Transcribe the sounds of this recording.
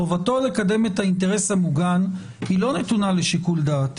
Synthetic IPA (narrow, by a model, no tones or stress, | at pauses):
ovato̞le̞kade̞me̞thainteʁe̞samuɡan | hilo̞ne̞tunaleʃikuld̪aːt